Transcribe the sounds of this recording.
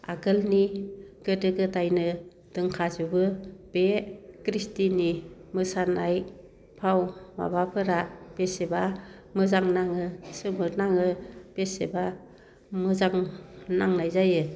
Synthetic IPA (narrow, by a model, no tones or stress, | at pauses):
a̰ɡɯlniɡ̥ɯdɯɡɯtajnɯ | d̥ɯŋkʰazubɯb̥ekɾistinimɯsanaj | pʰawma̰bapʰɯɾab̥eseba | mɯzaŋnaŋɯsɯmɯɾnaŋɯb̥eseba | mɯzaŋnaŋnajzajɯ